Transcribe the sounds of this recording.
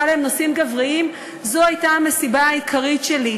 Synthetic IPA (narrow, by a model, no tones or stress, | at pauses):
aleemnosimɡavʁiim | zo̞ajtaamesibaaikʰaʁitʃeli